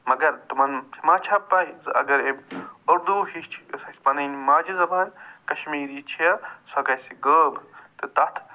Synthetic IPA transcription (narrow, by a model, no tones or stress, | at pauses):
mɐɡɐɾt̪umɐnt͡ʃʰmaːt͡ʃʰɐpːɐizɨɐ̰ɡɐɾebɐɾd̪uːhit͡ʃʰsɐsʲpɐnɐnimaːd͡ʒizɐbɐnkɐʃmiːɾit͡ʃʰijɐsɐɡɐsiɡəːbt̪ɨt̪ɐt̪ʰ